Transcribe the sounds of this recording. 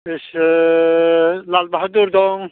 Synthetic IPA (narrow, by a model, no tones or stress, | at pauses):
s | lalbaɦd̪uɾd̪ɔŋ